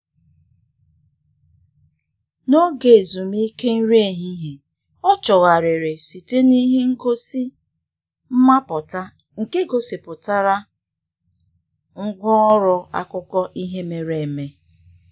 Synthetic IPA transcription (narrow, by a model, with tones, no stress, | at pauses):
no˦ɡe˨zu˨mi˦ke˦n̩˦ɾe˨ɦi˦ɦe˨ | ɔ˦t͡ʃɔ˨ɣa˨ɾe˨ɾe˨si˨te˦ni˦ɦe˦ŋ̩˦ɡo˦si˦ | m̩˦ma˦pʊ˨ta˦ | ŋ̩˨ke˦ɡo˨si˨pʊ˨ta˦ɾa˦ | ŋ̩˦ɡʷɔ˦ɔ˦ɾɔ˦a̰˦kʊ˦kɔ˦ʔi˦ɦe˦me˨ɾe˨e˨me˦